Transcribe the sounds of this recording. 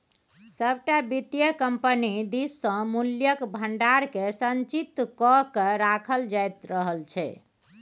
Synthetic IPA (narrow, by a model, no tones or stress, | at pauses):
səbʱʈabit̪jəkəmpənid̪isːə̃muljəkbʱəɳɖaɾkesənt͡ʃit̪ːkɔkeɾakʰəld͡ʒajt̪ɾəɦəlt͡ʃʰɛ̰